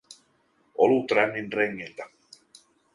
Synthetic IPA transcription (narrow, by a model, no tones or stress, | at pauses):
ʔolut̪rænːinreŋːilt̪æ